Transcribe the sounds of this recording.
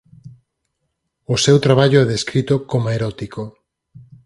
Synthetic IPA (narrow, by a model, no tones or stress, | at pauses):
ʊsewt̪ɾaβaʎoɛðeskɾit̪okomoeɾɔt̪iko